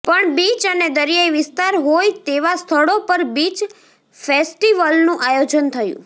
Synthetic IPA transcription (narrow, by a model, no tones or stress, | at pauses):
pəɳbit͡ʃəned̪əɾijaiʋɪst̪aɾɦojt̪eʋast̪ʰəɽopəɾbit͡ʃ | fesʈiʋəlnũʔajod͡ʒənt̪ʰəjṵ̃